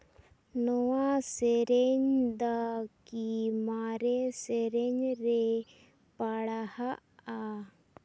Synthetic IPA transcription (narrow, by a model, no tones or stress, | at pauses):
nɔwaseɾeɲd̪akimaɾeseɾeɲɾe | paɽahaa